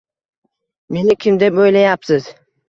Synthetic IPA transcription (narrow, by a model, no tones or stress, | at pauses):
me̞nɪkʲʰɪmd̪ebojlajapsɪz̥